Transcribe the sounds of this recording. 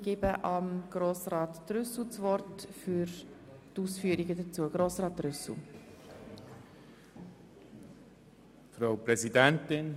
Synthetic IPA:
ɡ̥ɪbəʔɑmɡ̥ɾoːsrɑːtːɾʏsl̩t͡svɔɾtfʏɾ | tuːsfyːəɾiɡədət͡suːəɡ̥ɾoːsrɑːt̚ɾʏsl̩ | fɾaʊpɾɛzidɛntɪn

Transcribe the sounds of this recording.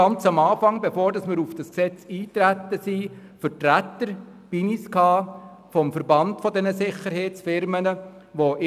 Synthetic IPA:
ɑnt͡sɑmɑːfɑŋbefoːɾdɑsmɪɾufd̥ɑsksɛt͡siːt̪ɾæt̪əsifəɾtɾæt̪ːəɾ | b̥iniskhɑː | fɔmfəɾbɑntfɔdɛnəsɪχəɾheɪtt͡sfɪɾmənəʋoʔɪ

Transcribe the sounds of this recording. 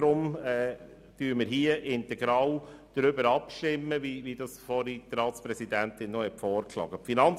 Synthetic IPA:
ɾʊmɛː | d̪̥yːɾməɾɦiəʔɪnt̪ɛɡɾɑːwd̪̥ɾʏbəɾɑpʃtɪmːəʋiʋid̥ɑsfɔɾit̪ɾɑːtspɾɛsid̪ænt̪ɪnːɔhɛtfɔːɾklɑ̰ːɡəpfinɑn

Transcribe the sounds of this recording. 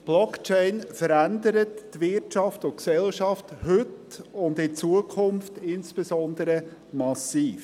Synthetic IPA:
b̥lɔkt͡ʃɛɪnfəɾændəɾətːʋɪtt͡ʃɑftʊksɛlʃɑfthʏtʊndɪt͡suəkʰʊmftɪnsb̥ɛsɔndəɾəmɑsiːf

